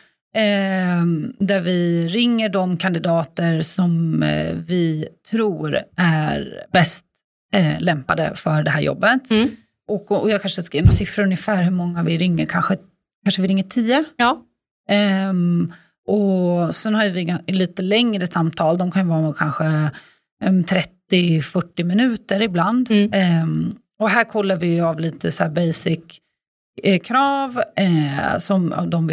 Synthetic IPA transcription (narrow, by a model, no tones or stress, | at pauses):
d̪æɾvɪɾɪŋːəɖɔmkʰand̪ɪd̪ɑːt̪əɾsɔmvɪt̪ʰɾuːɾʔæɾbɛst̪ | lɛmpad̪ə̰fœɖɛɦæːɾjɔ̰bːət̪ | ʔɔkɔjɑːkʰanʂəskivnɔsɪfɾəɵnjəfæːɾɦɵɾmɔŋːavɪɾɪŋːəɾkʰanɧə | kʰanʂəvɪɾɪŋːəʈʰiːə | ʔɔsɛnhaɾjvɪɡaliːt̪əlɛŋɾəsamt̪ʰɑːld̪ɔmkʰanjəvɑːɾkʰanɧə | ɛt̪ʰɾɛt̪ːɪfœʈːɪmɪnʉ̟ːt̪əɾɪbland̪ | ɔɦæːɾkʰɔlːaɾvɪjɵavliːt̪əsæːbɛjsɪk | kʰːɾɑːv | sɔma̰vd̪ɔmvɪ